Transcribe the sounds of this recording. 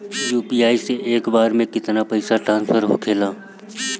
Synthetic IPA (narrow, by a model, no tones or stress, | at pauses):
juːpiːaːiseʔeːkbaːɾmẽkɪt̪napɐɪsaʈɾãːnspʰəɾɦo̰kʰeːlaː